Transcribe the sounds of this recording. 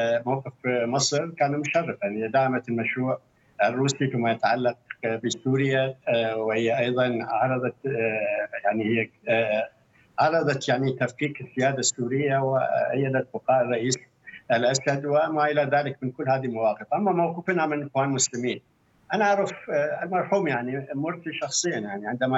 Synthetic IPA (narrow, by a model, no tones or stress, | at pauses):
mawqɨfmɨsˤɾkaːnumʊʃɑrːɑfanɪjːad̪aːʕamat̪lmaʃɾuːʕ | ɪrːuːsifɪmːajɪt̪aʕalːɑq̚bisuːɾɪjawɪhɪjːaʔɑjðˤɑnʕɑɾˤɑðˤɑt̪ | jaʕnihɪjːa | ʕɑɾˤɑðˤɑt̪jaʕnit̪afkiːkɪzːɪjaːd̪asːuːɾɪjːawɪajːad̪at̪̚bʊqɑːʔrˤːɑʔiːs | ʔɪlʔashad̪wɪmːaʔɪlaðaːlɪkmɪnkʊlːhaːðilmawɑːqɨfʔamːamawquːfnamɪnxwaːnmʊslɪmiːn | ʔanaʔɑɾˤɑfɪlmɑɾˤħuːmjaʕnimʊɾt̪iʃɑxsˤɨjːanjaʕniʕɪnd̪ama